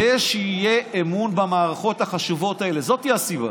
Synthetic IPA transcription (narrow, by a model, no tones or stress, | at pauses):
eʃeijeʔːmunbamaːʁaχo̞thaχaʃuvo̞tae̞le̞zo̞tijiasiba̰